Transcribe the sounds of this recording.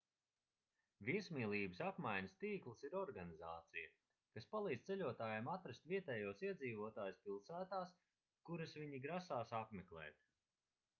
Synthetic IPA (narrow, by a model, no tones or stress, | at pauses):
viɛsmiːlˠiːbəsapmajɲɐst̪iːklˠəsiɾɔɾɡanizaːt̪sijɐ | kaspalˠiːd̪̥t̪sɛlʲuɔt̪aːjamat̪ɾast̪vʲiɛt̪ɛːjuɔsiɛd̪ziːvuɔt̪aːjuspilˠsæːt̪aːs | kuɾɐsviɲiɡɾasaːsapmɛklˠɛ̰ːt̪